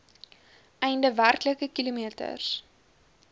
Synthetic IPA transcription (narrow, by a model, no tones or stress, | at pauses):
ʔɛjndəværkləkəkilomiətə̰rs